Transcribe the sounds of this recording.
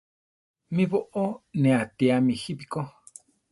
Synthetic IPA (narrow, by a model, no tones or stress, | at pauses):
mĩβoʔonẽat̪iamĩxipiko